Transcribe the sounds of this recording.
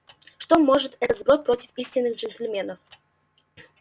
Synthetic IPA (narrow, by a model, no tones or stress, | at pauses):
ʂt̪omoʐɨt̪ɛt̪əd̪zbɾot̪̚pɾotʲɪfisʲtʲɪnːɨxʐɛnt̪ʲɪlʲmʲenəf